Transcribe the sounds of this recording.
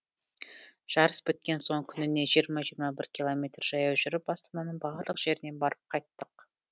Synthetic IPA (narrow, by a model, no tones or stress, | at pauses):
ʒ̥ɑɾəsbʏt̪̚kʲe̞nso̞ɴkʲʰʏnɪne̞ʒijəɾmɑʒiɾmɑbɪɾkʲʰilˠo̞mʲe̞t̪rʒ̥ɑjɑwʒʏɾɪp̚ɑst̪ɑmɑnəɴbɑɾlˠəqʒ̥e̞ɾɪne̞nbɑɾəp̚qʰɑjt̪ːəq